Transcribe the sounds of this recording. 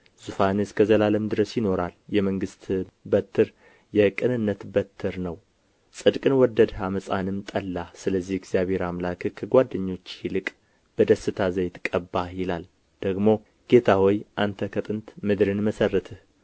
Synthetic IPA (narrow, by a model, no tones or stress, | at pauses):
z̥ufanɨskʰəzəlaləmd̪ɨɾəsjɪno̞ɾaljɛməŋɡɨst̪bət̪ʰːɨɾ | jɛkʼɨnɨnːət̪bət̪ʰːɨɾnəw | sʼɨd̪kʼɨnwɔd̪ːəd̪haməsʼanɨmt̪ʼəlːasɨləzːihɛɡzijaβe̞ɾamlakʰɨhkʰəɡʷad̪ːəɲːo̞t͡ʃːhilɨkʼ | b̥əd̪əsːɨt̪ʰazəjt̪kʼəbːajɪlal | d̪̥əɡmo̞ | ɡ̥e̞t̪ʰawɔjʔant̪ʰəkʰət̪ʼɨnt̪mɨd̪ɾɨnməsərːət̪ʰɨh